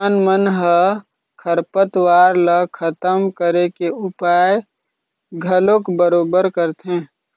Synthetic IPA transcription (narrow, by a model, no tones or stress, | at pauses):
nmənɦə | kʰəɾpət̪waːɾləkʰət̪əmkəɾekeʊpaːj | ɡʱəlokbəɾoːbəɾkəɾt̪ɦẽː